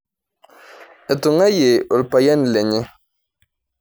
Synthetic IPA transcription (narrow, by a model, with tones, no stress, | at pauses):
e˨tʊ˨ŋa˦je˨ʔo˨lpa˨jɛ˦n˨le˨ɲɪ˦